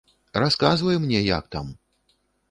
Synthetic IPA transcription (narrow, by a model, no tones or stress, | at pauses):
raskazvɐjɛmnʲɛja̰k̚t̪a̰m